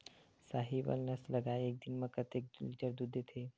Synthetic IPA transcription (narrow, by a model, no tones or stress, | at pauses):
saːɦibə̰lnəsləɡaːeeːk̚d̪ɪnmãkət̪ek̚d̪lid͡ʒəɾd̪ud̪ʱet̪ʰeː